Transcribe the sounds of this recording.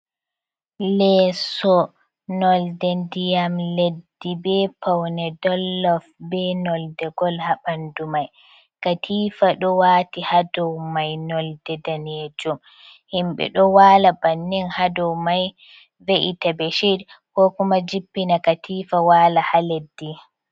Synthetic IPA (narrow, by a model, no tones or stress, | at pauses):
lɛsɔ | nɔldɛndijamledːibɛpʰawnɛdɔlːɔfbɛnɔldɛɡɔlhaɓandumaj | katʰiːfaɗɔwatihadɔwmajnɔldɛdaned͡ʒɔm | himbɛ̰ɗɔwaːlabanːɛnhadɔwmaj | veʔḭtabɛʃiɾ | kɔkumad͡ʒipːinakatʰiːfawaːlahaledːi